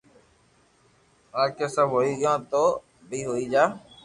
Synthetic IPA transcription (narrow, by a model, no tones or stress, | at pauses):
aːkeːsəbʱɦoːiːɠɪjãːt̪oː | bʱiːɦoːiːd͡ʒaː